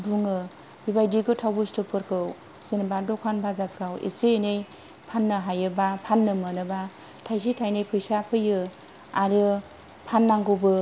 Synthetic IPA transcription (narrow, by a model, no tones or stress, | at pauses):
duŋɯ | bibajdiɡɯtʰawbustɯk̚pʰɯɾkʰɯw | senbadɔkʰanbazap̚kʰawḛsenej | pʰanːɯɦajɯbapʰanːɯmɯnɯba | tʰajsitʰajnɯjpʰɯjsapʰɯjɯ | aɾɯ | pʰanːaŋɡɯbɯ